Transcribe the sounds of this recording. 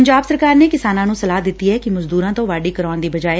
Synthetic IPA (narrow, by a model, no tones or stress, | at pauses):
əɲd͡ʒaːbsəɾkaːɾneːkɪsaːnãːnũːsəlaːd̪ɪt̪ːiːɦɛːkɪməzd̪uːɾãːt̪õːʋaːɖiːkəɾaːnd̪iːbəd͡ʒaːeː